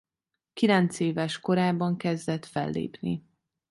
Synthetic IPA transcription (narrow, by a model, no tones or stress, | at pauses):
kilɛnt̪seːvɛʃko̞ɾaːbːɒŋkɛzd̪ɛt̪fɛ̰lːḛːpnḭ